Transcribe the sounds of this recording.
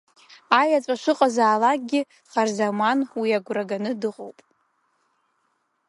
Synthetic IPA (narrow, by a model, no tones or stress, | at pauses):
ajat͡sʷʼaʂʷɨqʼazaːlak̚ʼɡʲɪ | χarzamanwiaɡʷraɡanɨdɨqʼowpʼ